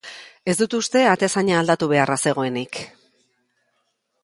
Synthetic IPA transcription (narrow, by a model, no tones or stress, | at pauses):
e̞zd̪ut̪ust̪e̞at̪esaɲaːld̪at̪uβ̞e̞arase̞ɣ̞o̞e̞nik